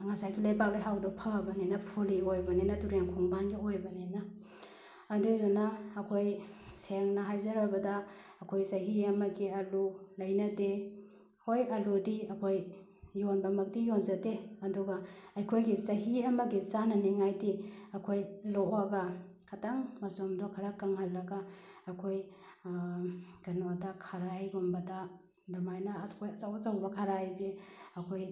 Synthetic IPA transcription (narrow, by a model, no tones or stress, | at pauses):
ŋasajɡilajbak̚lajɦawdɔpʰaabɐnenɐpʰoliojbɐnenɐtuɾjaŋkʰɔŋbanɡiojbɐnenaː | dudɔnaːkʰojseŋnɐɦajzɐɾabɐdaː | kʰojsɐɦiɐmɐɡiɐlulɐjnɐde | hojɐludiɐkʰoj | jonbɐmɐk̚dijonzɐdeɐduɡaɐjkʰojɡisɐɦiɐmɐɡisanɐniŋajdiɐkʰojloaɡa | kʰataŋmɐsomdɔkʰɐɾakaŋhɐlːɐɡaːkʰoj | ɡ̥ɐnodakʰaɾajɡombɐda | damajnakʰojɐsawzawbɐkʰaɾajzeɐkʰoj